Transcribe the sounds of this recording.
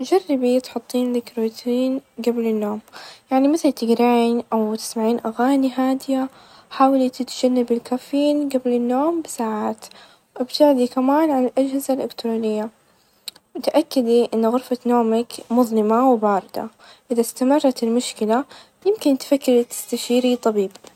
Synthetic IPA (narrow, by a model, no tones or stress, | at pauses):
d͡ʒarˤːɪbit̪ħʊt̪ˤːiːnlɪkɾoːt̪ʰiːnɡablɪnːoːmjaʕnimɪθalt̪ɪɡɾaʕiːnʔawt̪ɪ̥smaʕiːnʔaɣaːniɦaːd̪ɪja | ħaːwalit̪ɪt̪d͡ʒ̥anːabɪlkaːfiːnɡablɪnːoːmbɪsaːʕaːt̪ | ʔabt̪ɪʕd̪ikamaːnʕanalʔad͡ʒhɪzalʔɪkt̪ɾoːnɪjːa | mʊt̪aʔakːɪd̪iʔɪnːɣʊɾfanoːmakmʊðˤnɪmawbɑːɾˤɪd̪̥a̰ | ʔɪðast̪amɑrˤːɑt̪ɪlmʊʃkɪla | jɪmkɪnt̪fakːɪɾt̪ɪ̥st̪aʃiːɾit̪ˤɑbiːb